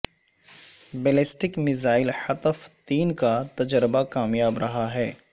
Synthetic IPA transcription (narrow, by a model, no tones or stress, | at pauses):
beːlesʈɪkmɪzaːɪlhɐt̪əft̪iːnkat̪ɐd͡ʒɾəbakaːmjaːbɾɐɦaɦɛː